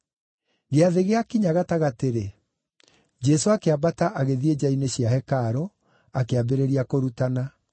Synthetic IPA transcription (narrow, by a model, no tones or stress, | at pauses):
ɣeaðeɣeakiɲaɣataɣateɾe | d͡ʑɛsoakeabataʔaɣeðied͡ʑaineɕjaɦɛkaɾo | akeabeɾeɾiakoɾutana